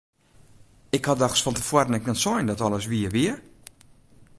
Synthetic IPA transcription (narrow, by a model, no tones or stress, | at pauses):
ɪkhadaxsfɔntəfwədənɛk̚nɛntsɔjndɔtɔlˠəsʋiəʋiə